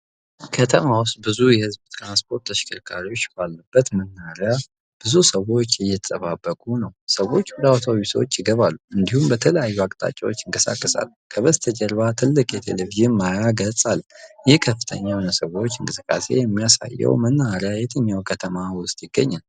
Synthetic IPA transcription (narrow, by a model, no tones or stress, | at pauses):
kʰət̪ʰəmawʊst̪̚ʼbɨzujɛhɨzbt̪ʰɾanspʰo̞ɾt̪ːʰəʃɪ̥kʰəɾkʰaɾiwo̞t͡ʃːbalːəbːət̪mənːaɾja | b̥ɨzusəwo̞t͡ʃːɨjɛt̪ʰət̪ʼəβabːəkʼunəwsəwo̞t͡ʃːwɔd̪awt̪ʰowiswot͡ʃːɪɡəβalːuɨnd̪ihumbət̪ʰələjajːuakʼt̪ʼa̰t͡ʃʼawo̞t͡ʃːɪŋkʼəsa̰kːəsa̰lː | kʰəβəzt̪ʰəd͡ʒɛɾβat̪ʰɨlːɨkʼjɛt̪ʰḛleviʒinmajaɡəsʼaljɪhkʰəfːɨt̪ʰə̰ɲːawnəsəwo̞t͡ʃːɨŋkʼɨsɨkʼːa̰se̞̰jɛmːijasa̰jːɛ̰wmənːaaɾjajɛt̪ʰəɲːawkʰət̪ʰəmawʊst̪ʼjɪɡːəɲːal